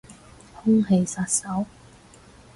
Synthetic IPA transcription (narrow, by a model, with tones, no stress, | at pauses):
hʊ˥ŋɦe˧jsaː˧t̚sɐ˨˥w